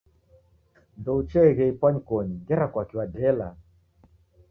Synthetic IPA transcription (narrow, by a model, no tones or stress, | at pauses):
ndɔut͡ʃɛɣɛipwaɲikɔɲiɡɛɾakwakiwadɛla̰